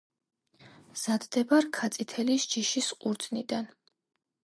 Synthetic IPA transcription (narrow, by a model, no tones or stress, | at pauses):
z̥ad̪d̪ɛbaɾkʰat̪sʼit̪ʰɛlisd͡ʒiʃisqʼuɾd̪zʼnid̪an